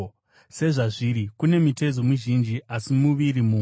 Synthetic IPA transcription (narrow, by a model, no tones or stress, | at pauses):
se̞ʐaʐiɾikune̞mite̞d͡zomuʒind͡ʒiʔasimuʋirimuː